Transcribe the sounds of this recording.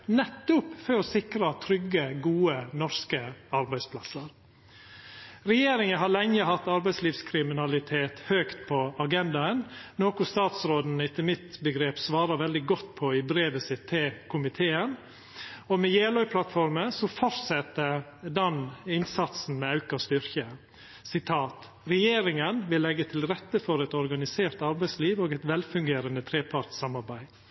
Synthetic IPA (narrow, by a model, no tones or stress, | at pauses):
nɛt̪ːʊpfɔɾɔsɪkɾɑt̪ʰɾʏɡːəɡuːənɔɾskəɑɾbæɪspʰlɑsəɾ | ɾɛjeːɾɪŋənɦɑɭɛŋːəɦɑt̪ːɑɾbæɪsliːʋskʰɾɪmɪnɑlɪt̪ʰeːt̪høːkt̪pʰɔɑɡɛnd̪ɑənnoːkʊst̪ɑːt̪sɾoːd̪n̩ɪt̪ːəmɪt̪bəɡɾeːpsʋɑːɾɑʋɛld̪ɪɡɔt̪ːpʰɔɪbɾeːʋəsɪt̪ʰːeːkʰʊmɪt̪ʰeːən | ɔmɛjeːlœʏpʰlɑt̪fɔɾməsɔfɔɾt̪sɛt̪ːəd̪ɑnɪnsɑt̪sn̩mɛɑʉkɑst̪ʏɾçə | sɪt̪ʰɑːt̪ | ɾɛjeːɾɪŋənʋɪlːɛɡːət̪ʰɪlɾɛt̪ːəfɔɾɛt̪ɔɾɡɑnɪseːɾt̪ɑɾbæɪsliːʋoːɡɛt̪ʋɛlfʉŋɡeːɾənət̪ʰɾeːpʰɑɾt̪sɑmɑɾbæɪ